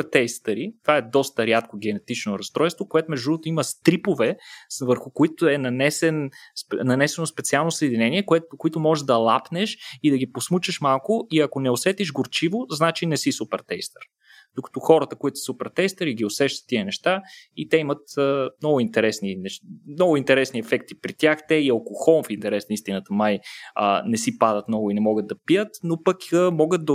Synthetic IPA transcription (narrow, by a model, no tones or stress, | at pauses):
t̪ɛjst̪əɾit̪ovaɛd̪ɔst̪əɾʲjat̪koɡʲɛnɛt̪it͡ʃnoɾɐst̪ɾɔjst̪vokoɛt̪omɛʒd̪unot̪oiməst̪ɾipovɛvəɾxʊkoit̪oɛnɐnɛsɛnnɐnɛsɛnospɛt̪sialˠnosəɛd̪inɛniɛkɛt̪koit̪omɔʒɛʒd̪ɐlˠapnɛʃid̪ɐɡiposmut͡ʃəʃmalˠkʊiɐkonɛosɛt̪iʒɡoɾt͡ʃivoznat͡ʃinɛsisupɛɾt̪ɛjst̪əɾ | d̪̥ʊkɐ̥t̪ɔxɔɾət̪əkoit̪ʊssupɛɾt̪ɛjst̪əɾiɡiosɛʃt̪ə̥t̪ːiənɛʃt̪ait̪ɛimət̪əmnɔɡʊint̪ɛɾɛsninɛʃmnɔɡʊint̪ɛɾɛsniɛfɛkt̪ipɾit̪ʲjaxt̪ɛiɐlˠkoxɔnfint̪ɛɾɛsnist̪inət̪əmajənɛsipad̪ət̪mnɔɡʊinɛmɔɡəd̪̚d̪ɐpijət̪nopəkəmɔɡət̪̚d̪ɐ